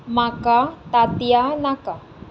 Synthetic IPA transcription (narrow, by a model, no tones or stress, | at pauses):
makat̪at̪ianaka